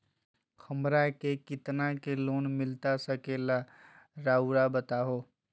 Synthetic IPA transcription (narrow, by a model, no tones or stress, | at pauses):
kʰəmɾakekɪt̪nakeloːnmɪlt̪asəkela | ɾauɾabət̪aɦo